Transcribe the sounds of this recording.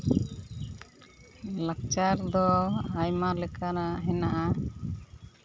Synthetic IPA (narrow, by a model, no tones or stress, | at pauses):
lakt͡ʃaɾd̪ɔajmaɾlɛkanaɦɛnaʔa